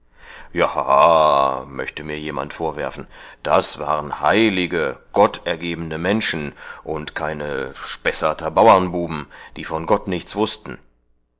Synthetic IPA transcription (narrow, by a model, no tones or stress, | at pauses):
jaha̰mœ̰çtəmiːɐjeːma̰ntfoːɐvɛɐfn̩d̥asv̥aːʁənhaɪlɪɡəɡ̥ɔtɛɐɡeːbn̩əmɛnʃn̩ʔʊntkʰaɪnəʃpɛsɐtɐbaʊɐnbuːbm̩d̥iːfɔnɡɔtnɪçt͡sv̥ʊstn̩